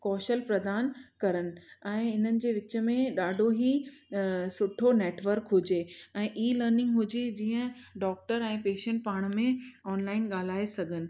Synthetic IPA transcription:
kɔːʃəlpɾɐd̪aːnkɐɾənɪ̆ɛ̃ːɪn̤ənɪ̆d͡ʑeːʋɪt͡ɕə̆mẽɗaːɖʱoɦi | sʊʈʰoneːʈʋəɾkɦʊd͡ʑeːɛ̃ːʔiːləːɾnɪ̃ŋɡɦʊd͡ʑed͡ʑiːə̃ɖɔːk̚ʈəɾɛ̃ːpeːʃə̃ɳʈ̚paːɽ̃mẽɔːnlaːɪnɠaːl̤aːesɐɡʱənɪ̆

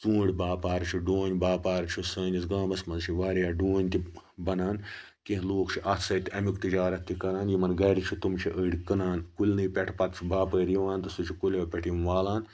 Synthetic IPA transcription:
t͡sũːɽʲbaːpaːɾt͡ʃʰuɖoːnʲbaːpaːɾt͡ʃʰusɐːnʲisɡãːmɐsmɐnzt͡ʃʰiʋaːɾjaːɖoːnʲt̪i | bɐnaːn | kẽɦloːkt͡ʃʰiʔɐt̪ʰsɐt̪iɐmukt̪id͡ʒaːɾɐt̪ːikɐnaːnjimɐnɡɐɾit͡ʃʰut̪umt͡ʃʰiʔəːɽʲkɐnaːnkulʲnɨjpʲeʈʰpɐt̪t͡ʃʰibaːpəːɾjiʋaːnt̪ɐsut͡ʃʰikulʲɐːpʲeʈʰinʋaːlaːn

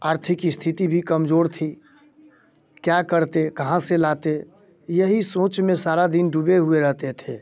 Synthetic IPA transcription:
aːɾt̪ʰɪkst̪ʰit̪ibʱikəmd͡ʒoːɾt̪ʰi | kjakəɾt̪ekəɦãselat̪e | jəɦisõːt͡ʃmẽsaːɾad̪inɖʱubeɦueɾəɦt̪et̪ʰeː

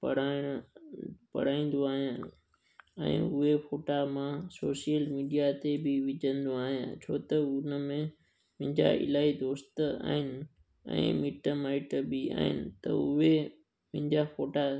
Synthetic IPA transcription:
pɐɽaːɽ̃ | pɐ̰ɽ̤aːĩːn̆d̪oaːɦijã | ɛ̰̃ːʊɦefoːʈamãsoːsijəlmiːɖijat̪ebɪʋɪd͡ʑə̃nd̪oaːɦijã̰ːt͡ɕʰoːt̪ɐʊnəmẽ | mɪ̃ɪ̃ɲd͡ʑa̰ɪ̰laːid̪oːst̪əa̰ːɦɪnɪ̆ | ɛ̰̃ːmiːʈəmaːɪʈbɪa̰ːɦɪ̰nɪ̆t̪ɐ̰ʊɦe | mɪ̃ɦɪ̃ɲd͡ʑafoːʈa

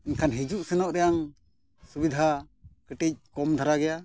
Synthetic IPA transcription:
inkʰanɦid͡ʒuʔsɛnɔʔɾɛjaŋ | subid̪ʱa | kəʈic̚kɔmd̪ʱaɾaɡɛja

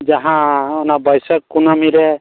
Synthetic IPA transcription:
d͡ʒaɦãɔnabɔjsɔkːunɔmiɾɛ

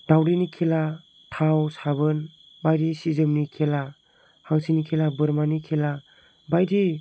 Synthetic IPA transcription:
d̥awɾinikʰela | tʰawsabɯn | bajdisizɯmnikʰela | haŋsinikʰelabɯɾmanikʰela | bajdi

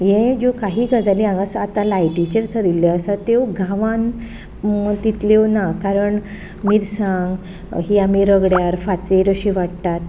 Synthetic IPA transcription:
jẽd͡ʑokaɦiːɡad͡zaliãŋɡəsat̪ãlajʈit͡ɕəɾt͡səɾilːəəsət̪ewɡʱãʋãn | t̪it̪lewnakaɾəɳ | miɾsãŋɡ | ɦiamiɾəɡɽjaɾfat̪ɾiɾəɕĩʋaɽt̪at̪̚

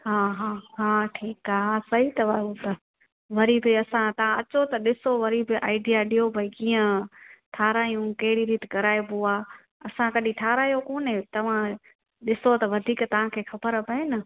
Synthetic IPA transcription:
ɦaːɦaːɦaːʈʰiːkaːɦasɐɦit̪ɐʋɐut̪ɐ | ʋɐɾibɪɐsãt̪ɐʋ̤ãɐt͡ɕot̪ɐɗɪsoʋɐɾibɪʔa̰ːɪɖijaɗijobʱɐikiːə̃ʈʰaːɾaːjũkɐɦɪɽiɾiːt̪ɪkɐɾaːebuaː | ɐsãkɐɗĩʈʰaːɾaːijokoːnẽt̪ɐʋ̤ã | ɗɪsot̪ɐʋɐd̪ʱiːkt̪ɐʋ̤ãkʰeːxɐbəɾpɐenɐ

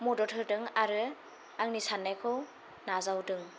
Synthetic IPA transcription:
mudɔtʰɯɾdɯŋaɾɯ | aŋnisanːajkʰɯw | nazawdɯŋ

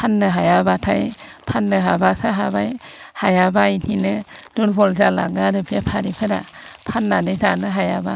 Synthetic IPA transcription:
pʰanːɯɦajabatʰajpʰanːɯɦabasaɦabajhajabaininɯduɾbɔlzala̰ɡadɯbʰiapʰaɾipʰɯɾapʰanːanɯjzanɯɦajaba

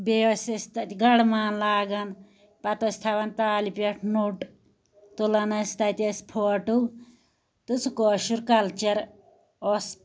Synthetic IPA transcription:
beosʲɐst̪ɐt̪ʲɡɐɽmaːnlaːɡɐn | pɐt̪osʲt̪ʰaʋɐnt̪aːlipɐʈʰnuʈ | t̪ulɐnɐst̪ɐt̪ʲɐspʰoːʈu | t̪usukoːʃuɾkɐlt͡ʃɐɾ | os

